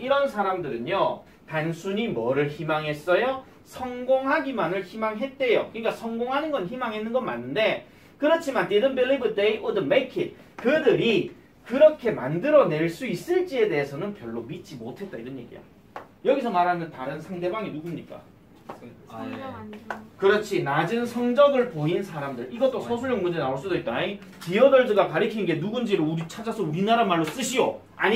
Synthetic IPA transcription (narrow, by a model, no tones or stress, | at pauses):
iɾʌnsʰaɾamdɯɾɯɲjo | tansʰuɲimʌɾɯɭçimaŋɦe̞s͈ʌjo | sʰʌŋɡoŋɦaɡimanɯɭçimaŋɦe̞t̚t͈ejokɯɲik͈asʰʌŋɡoŋɦanɯnɡʌnçimaŋɦenːɯnɡʌnma̰nːɯnde̞ | kɯɾʌt͡ɕʰimantedɯnbelːibɯdeiʔodɯmekʰin | kɯdɯɾi | kɯɾʌkʰe̞ma̰ndɯɾʌne̞ɭs͈uis͈ɯɭt͡ɕ͈ie̞de̞ɦesʰʌnɯnpjʌɭːomit͡ɕ͈imotʰe̞t̚t͈aiɾʌɲje̞̰ɡḭja̰ | jʌɡisʰʌmaɾɦanɯntaɾɯnsʰaŋde̞baŋinuɡumɲik͈a̰ | kɯɾʌt͡ɕʰinad͡ʑɯnsʰʌŋd͡ʑʌɡɯɭpoinsʰaɾamdɯɾiɡʌt͈osʰʌsʰuɭjʌŋmɯd͡ʑenaoɭs͈udoit̚t͈anai | piʌdʌɭdɯɡakaɾɯkʰinnɡe̞nuɡund͡ʑiɾouɾit͡ɕʰad͡ʑasʰʌuɾinaɾamaɭːos͈ɯɕʰijo̰ | a̰ɲ